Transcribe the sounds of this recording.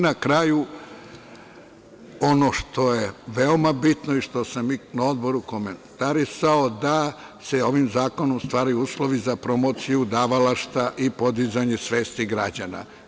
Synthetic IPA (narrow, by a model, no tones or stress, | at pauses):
nakɾaːju | o̞no̞ʃt̪o̞je̞ʋeomabit̪no̞iʃt̪o̞saminao̞d̪bo̞ɾuko̞ment̪aɾisao̞d̪a | se̞o̞ʋimzaːko̞no̞mst̪ʋaːɾajuuːslˠo̞ʋizapɾo̞mo̞t̪sijud̪aːʋalaʃt̪aʔipo̞d̪izaɲesʋeːst̪iɡɾad͡ʑana̰